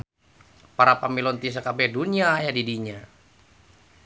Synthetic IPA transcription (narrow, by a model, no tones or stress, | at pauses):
paɾapamilɔnt̪is̬əkabɛduniajadidiɲa